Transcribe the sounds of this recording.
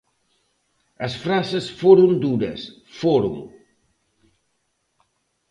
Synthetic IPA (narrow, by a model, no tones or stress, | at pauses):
əsfɾasəsfoɾundudə̰sfoɾṵm